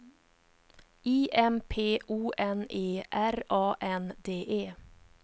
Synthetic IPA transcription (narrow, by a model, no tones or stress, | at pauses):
iːʔɛmpʰeːʔuːʔɛneːʔæɾʔɑːʔɛnd̪eːʔeː